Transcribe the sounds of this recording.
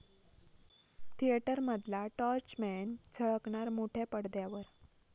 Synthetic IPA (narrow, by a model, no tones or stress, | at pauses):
t̪ʰieʈəɾməd̪ʱlaʈɔɾt͡ɕmɛnd͡zʰʱəɭəkɳaɾmoʈʰepəɽd̪jaʋəɾ